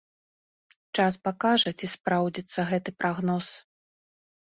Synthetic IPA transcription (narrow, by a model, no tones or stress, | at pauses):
t͡ʂaspakaʐɐt͡sʲispɾawd͡zʲit̪sːɐɣɛt̪ɨpɾʔaɣnɔs